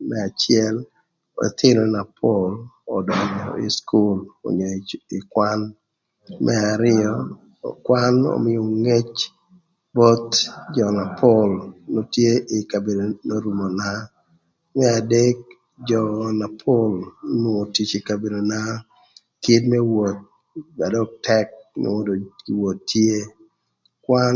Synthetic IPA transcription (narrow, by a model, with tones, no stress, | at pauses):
mɛ˦a˨t͡ʃɪɛ˦l | o̰˨t̪ʰɪ˦ɾo˨na˨pʰolɔdɔ˨ɲɔɪ̰˨skʰu˦lo̰˨ɲo˨ɪ˨kwa˦n | mʔɛ˦aɾɪɔ˦ | kwa˦no̰˨mɪ˦jo˨ŋe˦t͡ʃ | bɔ˦t̪d͡ʒɔ˨na˨pʰɔlno˦tje˦ʔɪ˨ka˨be˨do˨no˦ɾu˨mo˨na˦ | mɛ˦a˨de˦k̚ | d͡ʒɔ˨na˨pʰo˦lnwo˨ti˨t͡ʃi˨ka˨be˨do˨na˦ | kɪ˦tmɛ˦wo˨t̚ | ba˨dɔ˦tɛ˦k̚nɪ̰˨wɔ˦do˨kɪ˨wo˨tːje˦ | kwa˦n